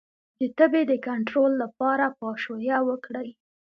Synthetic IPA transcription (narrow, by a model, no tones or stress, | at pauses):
d̪ət̪əbed̪əkaɳʈɾolːapɑɾapɑʃojawəkɽaj